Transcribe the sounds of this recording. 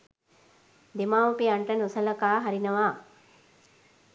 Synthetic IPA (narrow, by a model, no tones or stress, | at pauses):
d̪emaːʋupiɐɳʈənusɐlɐkaːɦaɾinɐʋaː